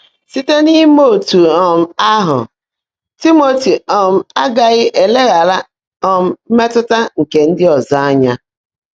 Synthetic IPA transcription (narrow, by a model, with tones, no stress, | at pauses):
si˦te˦ni˦mo˦˨tu˨ɔ˨m̩˦a˦ɦʊ̰˨ | ti˦mo˨ti˨ɔ˨m̩˦˨a˦ɡa˨ɣɪ˦ʔe˨le˦ɣa˨la˦ | ɔ˨m̩˦me˦tʊ˦ta˦ŋ̩˨ke˨n̩˦dɪ˦ɔ˨za˦a˦ɲa˦